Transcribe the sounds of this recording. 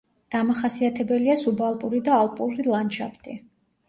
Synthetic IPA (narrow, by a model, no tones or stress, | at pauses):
d̪̥amaχasiat̪ʰɛbɛliasubalˠpʼuɾid̪aːlˠpʼuɾilˠanʃa̰pʰt̪ʼi